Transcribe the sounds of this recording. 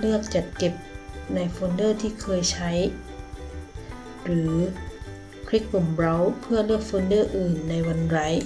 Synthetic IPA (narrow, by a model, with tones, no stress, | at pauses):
nɯ˥˩ək̚t͡ɕa˨˩t̪̚ke˨˩p̚na˧jfoː˧nːɤː˥˩t̪ʰiː˥˩kʰɤː˧jt͡ɕʰa˦˥j | ɾɯː˩˦ | kʰɾi˦˥kːu˨˩mɾa˦˥wpʰɯ˥˩ɐnɯ˥˩ək̚foː˧nːɤː˥˩ʔɯː˨˩nːa˧jwa˧nɾa˦˥j